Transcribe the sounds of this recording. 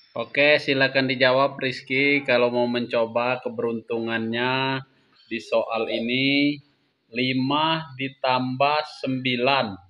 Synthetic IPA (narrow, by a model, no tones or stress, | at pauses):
ʔokesilakandid͡ʒawap̚riskikalawmauməɲt͡ʃobakəbəɾunt̪uŋanɲa | disoʔalini | limadit̪ambahsəmbilan